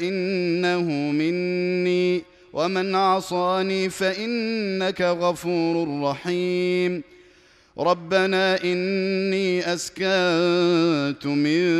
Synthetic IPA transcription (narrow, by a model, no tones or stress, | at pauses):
ʔɪnːahʊmɪnːiː | wʔamanʕɑsˤɑːniːfaʔɪnːakaɣɑfuːɾrˤːɑħiːm | ɾˤɑbːanaːʔɪnːiːʔaskant̪ʊmɪ